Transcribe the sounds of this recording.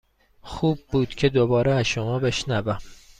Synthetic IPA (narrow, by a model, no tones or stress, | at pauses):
xuːb̚buːd̪̥cʰe̞d̪obɒːɾeæzʃomɒːbe̞ʃnævæm